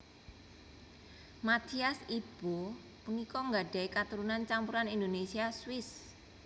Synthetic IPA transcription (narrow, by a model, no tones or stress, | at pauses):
mat̪ʰiasib̥u | punikɔŋɡaɖ̥a̤ikat̪uɾunant͡ʃampuɾanind̪onesiaswɪs